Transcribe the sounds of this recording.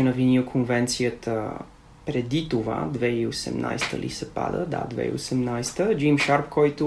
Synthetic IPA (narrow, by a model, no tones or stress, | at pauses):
nɐvinokʰonvɛnt̪sijət̪ə | pɾɛd̪it̪ova̰d̪vɛiosɛ̰mnʔa̰jst̪ə̰lʔḭsɛpa̰d̪ə̰d̪a̰d̪vɛ̰ḭo̰sɛmnajst̪əd͡ʒimʃaɾpkɔjt̪ʊ